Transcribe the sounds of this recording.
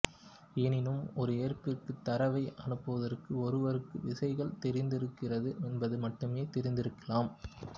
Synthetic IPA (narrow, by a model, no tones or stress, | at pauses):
ɛːnɪnɯmɔɾɯeːrpɪrkɯt̪ːɐɾɐʋɐɪʔɐ̰nɯpːɯʋɐðɐrkɯɔɾɯʋɐɾɯkːɯʋɪsɐɪɣɐɭt̪ɛɾɪnd̪ɪɾɯkːɪrɐðɯʔɛnbɐðɯmɐʈːɯmeːt̪ɛɾɪnd̪ɪɾɯkːɐlaːm